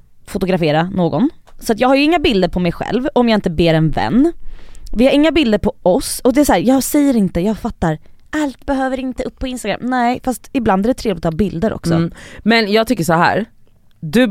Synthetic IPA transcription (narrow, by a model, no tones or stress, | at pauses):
fʊt̪ʊɡɾafeːɾanoːɡɔnsɔat̪jɑːɡhaɾjɵɪŋːabɪld̪əɾpʰɔmɛjɧɛ̰lvɔmjɑːɪnt̪əbeːɾɛnvɛ̰nː | vɪhaɾɪŋːabɪld̪əɾpʰɔɔsɔd̪ɛæsɔæːɾjɑːsɛjːəɾɪnt̪əjɑːɡfat̪ːaɾ | ʔalt̪bɛɦøːvəɾɪnt̪əɵpːɔɪnst̪aɡɾa̰mːnɛɪfast̪ɪbland̪æɖɛt̪ʰɾeːvlɪt̪ʰːbɪld̪əɾʔɔ̰ksɔ̰mɛnjɑːɡt̪ʰʏkːəʂɔɦæ̰ːɾ | d̪ɵ